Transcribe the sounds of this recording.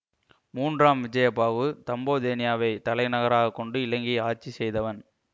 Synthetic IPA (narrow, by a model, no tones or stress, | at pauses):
muːndraːmʋɪd͡ʒɐjɐpːaːʋɯt̪ɐmboːðeːnɪjaːʋɐɪt̪ɐlɐɪnɐɣɐɾaːɣɐkːɔɳɖɯɪlɐŋɡiaːt͡ʃːisɛjðɐʋɐn